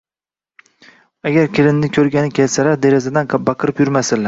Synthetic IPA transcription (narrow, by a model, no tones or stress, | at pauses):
aɡʲaɾkʲɪlɪnnɪkʲʰɵɾɡʲanɪkʲʰelsalaɾd̪e̞ɾazad̪anbɑqʰɨɾɪpjʊɾmasɪl